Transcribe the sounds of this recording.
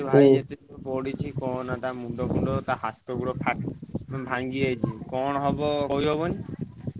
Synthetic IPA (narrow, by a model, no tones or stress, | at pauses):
bʱad͡ʒet̪epɔɽit͡ʃʰikɔnat̪amuɳɖɔpuɳɖɔt̪aɦat̪ːɔkuɽɔpʰaʈbʱaŋɡiajt͡ʃʰikɔñɦɔbɔoɦiɦɔbɔni